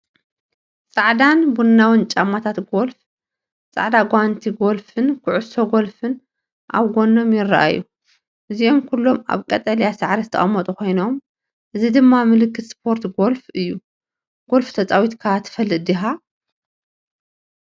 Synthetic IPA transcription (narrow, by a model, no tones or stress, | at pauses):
sʼaʕd̪anbunːawɨnt͡ʃʼamːat̪ʰat̪ɡo̞lf | t͡sʼa̰ʕd̪aɡʷant̪ʰiɡo̞lfɨnkʰʊʕʊso̞ɡo̞lfɨn | ʔa̰βɡo̞nːo̞mjɪra̰ʔa̰ju | ʔɨziomkʰulːoma̰βkʼɐt̪ʼɐljasaʕɾɐzɨt̪ʰɐ̰ɐmːɐt̪ʼukʰo̞jno̞m | ʔɨzid̪ɨmːamɨlɨkːɨt̪spʰo̞ɾt̪ɡo̞lfɨjːu | ɡ̥o̞lft̪ʰɐt͡sʼawit̪kʰat̪ʰːɨ̥fɐlːɨd̪iɦa